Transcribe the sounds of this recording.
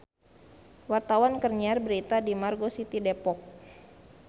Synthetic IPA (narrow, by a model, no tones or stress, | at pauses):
wart̪awankərɲiarbəɾit̪adimarɡosit̪idepɔk̚